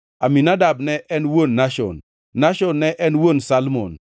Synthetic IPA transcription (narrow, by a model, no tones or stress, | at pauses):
aminadabnɛʔɛnwonːaʃɔ̰nː | aʃɔnːɛʔɛnwonsalmon